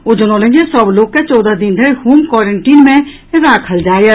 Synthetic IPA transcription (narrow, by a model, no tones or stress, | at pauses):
od͡ʒənoːlẽŋɡesɔbloːkːet͡ʃɔːd̪ad̪ɪ̃nd̪əhuːmkɔːɾəɳʈiːnmẽ | ɾaːkʰəld͡ʒaːjə